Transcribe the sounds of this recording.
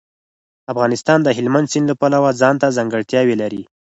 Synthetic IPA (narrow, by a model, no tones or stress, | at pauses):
afɣɑnɪst̪ɑnd̪əɦɪlmand̪sinlapalawazɑnt̪azaŋɡəɽt̪jɑwelaɾi